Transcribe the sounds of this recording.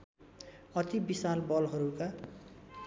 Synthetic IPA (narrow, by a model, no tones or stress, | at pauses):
ʌt̪ibisalbʌlɦʌɾuka